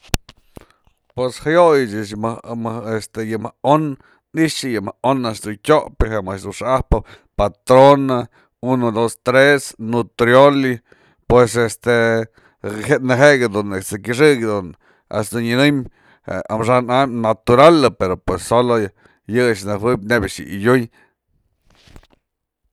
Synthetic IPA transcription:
pweshajojt͡ʃit͡ʃmmest̪ejɨmaon | niʃɨjɨmaonasd̪unkʲoʔpiɦemaʃd̪uʂahpa | pat̪ɾona | unod̪ost̪ɾesnut̪ɾjoli | pwesest̪e | henɨɦeʔɡad̪unesekiʂ̬ɨɡd̪un | a̰sd̪unɨnɨm | ḛa̰mʂananat̪uɾalɨpeɾopwesːolo | jɨt͡ʃnɨhwɨb̚ʲnebaʂjɨ̰ʔḭjuj

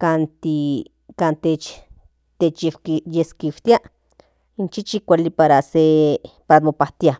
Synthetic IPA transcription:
kant̪i | kant̪et͡ʃ | t̪et͡ʃewijeskiwt̪ia | int͡ʃit͡ʃikʷalipaɾasepaɾamopaht̪ia

